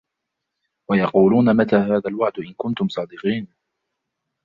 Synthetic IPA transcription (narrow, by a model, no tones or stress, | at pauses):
wɑjɑquːluːnamat̪aːhaːðalwaʕd̪ʔɪnkʊnt̪ʊmsˤɑːd̪ɪqiːn